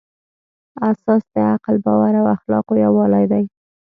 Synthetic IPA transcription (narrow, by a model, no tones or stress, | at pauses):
asɑsd̪əaqlbɑwaɾawaxlɑ̰qojawɑlajd̪aj